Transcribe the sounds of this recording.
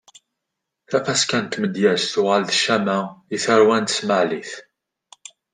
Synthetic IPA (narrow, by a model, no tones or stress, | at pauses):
θæfæskænt̪ːməd̪jæsθʊʁəlðəʃːæmæiθəɾwænt̪əsməʕliθ